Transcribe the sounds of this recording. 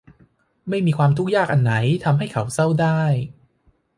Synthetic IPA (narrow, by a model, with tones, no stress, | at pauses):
ma˥˩jmiː˧kʰwaː˧mt̪ʰu˥k̚jaː˥˩k̚ʔa˧nːa˩˦jt̪ʰa˧mɦa˥˩jkʰa˩˦wsa˥˩wdaː˥˩j